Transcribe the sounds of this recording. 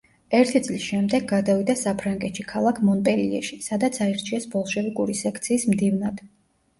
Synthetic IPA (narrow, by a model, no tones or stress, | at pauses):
ɛɾt̪ʰit̪sʼlisʃɛmd̪ɛɡːad̪avid̪asapʰɾaŋɡʼɛt̪ʃikʰalˠakʰmɔnp̪ʼɛliɛ̰ʃisad̪at̪sʰaɛɾt͡ʃʰiɛsbɔlˠʃɛvikʼuɾisɛkʰt̪sʰiːsmd̪ivnad̪̥